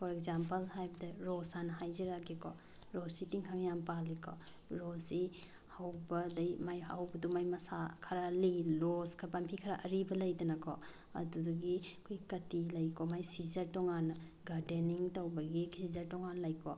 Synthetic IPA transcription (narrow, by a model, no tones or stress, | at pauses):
pʰɔɾek̚zampɐlɦajbɐdɐɾɔsanɐɦajziɾaɡikʰɔ | ɾɔsitiŋkʰaŋjampalikʰɔ̰ | ɾɔsi | hawbɐlɐjmajha̰wbɐdumajmɐsakʰaɾalilɔskʰɐpampʰikʰɐɾaʔɐɾibɐlɐjdunɐkʰɔ̰ | ɐ̰dudɔɡikʰojkɐtilɐjkʰɔmajsizɐɾtɔŋanɐ | ɡaɾdeniŋtɐwbɐɡikʰsizɐɾtɔŋanlɐjkʰɔ